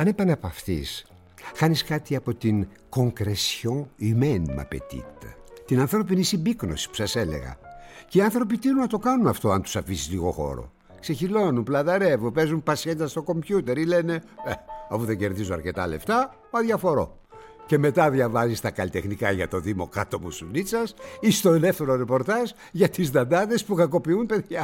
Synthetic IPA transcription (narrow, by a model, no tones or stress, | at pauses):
ɐnepɐnepɐft̪ḭs | xɐniskɐt̪iɐpo̞t̪iŋ | ko̞ŋkɾesçõimenmɐ̰pḛt̪ḭt̪ɐ̰t̪inɐnθɾo̞p̬inisibikno̞si̥pu̥sɐse̞le̞̰ɣɐ̰ceiɐnθɾo̞p̬it̪inunɐt̪o̞kɐnunɐft̪o̞ɐnt̪u̥sɐfisizliɣo̞̰xo̞̰ɾo̞̰ | kse̞çilo̞numplɐðɐɾe̞vunpe̞zumpɐsçeit̪ɐst̪o̞ko̞mbʝut̪e̞ɾile̞ne̞eɐfuðeɲɟe̞ɾðizoɐɾce̞t̪ɐ̰le̞̰ft̪ɐ | ɐðʝɐfo̞ɾo̞̰ | ce̞me̞t̪ɐðʝɐvɐzist̪ɐkɐlit̪e̞xnikɐʝɐt̪o̞ðimo̞̰kɐt̪o̞pusunit͡sɐsist̪o̞elefθe̞ɾo̞ɾe̞po̞ɾt̪ɐz | ʝɐt̪izd̪ɐnd̪ɐðe̞spukɐko̞piunpe̞ðʝɐ